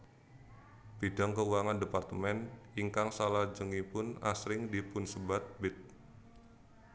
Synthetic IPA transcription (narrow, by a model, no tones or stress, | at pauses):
b̥idaŋkəuwaŋandepart̪əmɛniŋkaŋsalad͡ʒəŋipʊnasɾɪŋdipʊnsəbat̪̚bɪt̪̚